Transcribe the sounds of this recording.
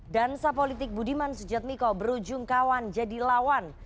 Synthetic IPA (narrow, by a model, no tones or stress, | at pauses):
dansapolit̪ɪk̚budimansud͡ʒat̪̚mikɔbəɾud͡ʒʊŋkawand͡ʒadilawan